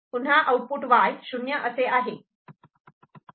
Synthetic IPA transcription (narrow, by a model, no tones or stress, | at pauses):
unɦaʔəwpuːʈʋajɕunjəʔəseʔaɦe